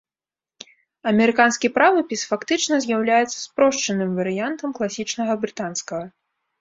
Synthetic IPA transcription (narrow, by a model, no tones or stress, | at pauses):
ɐmʲɛɾɨkanskʲipɾavɨpʲisfakt̪ɨt͡ʂnɐzʲjawlʲajɛt̪sɐ̥spɾɔʂt͡ʂɐnɨmvɐɾɨjant̪ɐmklˠasʲit͡ʂnɐɣɐbɾɨt̪anskɐɣɐ